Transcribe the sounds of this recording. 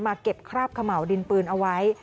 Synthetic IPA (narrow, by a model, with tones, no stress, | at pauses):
maː˧ke˨˩p̚kʰɾaː˥˩p̚kʰa˧ma˨˩˦wdi˧npɯː˧nʔa˧wa˦˥j